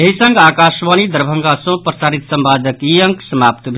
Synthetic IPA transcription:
eɦisə̃ŋɡaːkaːʃʋaːnid̪əɾbʱəŋɡasõpɾəsaːɾit̪səmbaːd̪ʱəkijə̃ŋksɐmaːpt̪bʱ

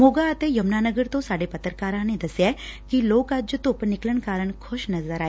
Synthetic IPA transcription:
moːɡaːt̪ejɐmnaːnəɡəɾt̪osaːɽepɐt̪ɾkaɾãned̪ɐsjakiloːkad͡ʒjət̪ʊpnɪkləɳkaːɾəɳ̃kʰʊʃnɐzəɾaːe

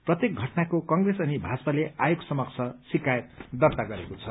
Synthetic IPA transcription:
prʌt̪jek̚ɡʱʌʈnakokʌŋɡresʌnibʱat͡sʌpaleajoɡsʌmʌkt͡sʰʌsikajt̪̚d̪ʌrt̪aɡʌɾekot͡sʰʌ

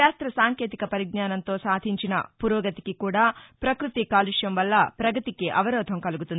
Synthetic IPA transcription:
aːst̪ɾɐsaːŋkeːt̪ikɐpɐɾiɡ̚ɲaːnɐnt̪o̞ːsaːd̪ʱiɲt͡ʃinɐ̰puɾoːɡɐt̪ikikuːɽaːpɾɐkɾut̪ikaːliʂjɐmʋɐlːɐpɾɐɡɐt̪ikeʔɐʋɐɾɔːd̪ʱɐmkɐluɡut̪un

